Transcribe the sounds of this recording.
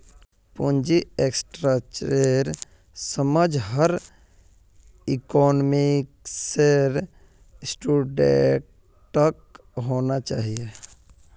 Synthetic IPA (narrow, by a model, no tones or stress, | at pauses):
pũnd͡ʒieksʈɾat͡ʃɾeɾ | səməd͡ʒɦəɾ | ikɔːnmikseɾ | sʈuɖḛ | ʈək̚ | ɦoːnat͡ʃaːɦie